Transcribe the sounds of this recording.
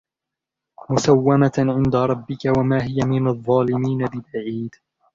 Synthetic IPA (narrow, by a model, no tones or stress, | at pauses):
mʊsawːamaʕɪnd̪aɾˤɑbːɪkawamaːɦɪjamɪnaðˤːɑːlɪmiːnabɪbaʕiːd̪